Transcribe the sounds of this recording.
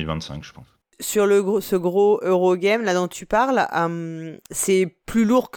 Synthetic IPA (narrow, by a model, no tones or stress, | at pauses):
ilvɛ̃nt̪sɛ̰̃kʒəpɑ̰̃s | syʁləɡsəɡʁoøʁoɡɛmlad̪ɔ̃t̪ʰypaʁləmsɛplyluʁk